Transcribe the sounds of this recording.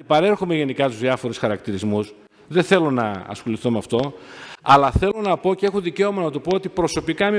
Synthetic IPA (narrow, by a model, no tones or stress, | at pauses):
epɐɾe̞ɾxome̞ʝe̞nikɐt̪uzðiɐfo̞ɾusxɐɾɐkt̪iɾizmus | ðeθe̞lo̞nɐ̰ɐ̰sxo̞liθomeɐft̪o̞ɐlɐθe̞lo̞nɐpo̞ceexoðice̞o̞mɐnɐt̪opoo̞t̪ipɾo̞so̞pikɐmi